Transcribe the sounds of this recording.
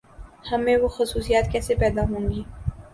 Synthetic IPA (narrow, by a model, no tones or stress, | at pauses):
hɐmẽʋoxʊsuːsijaːt̪kɛːsepɛːd̪aɦõːŋɡiː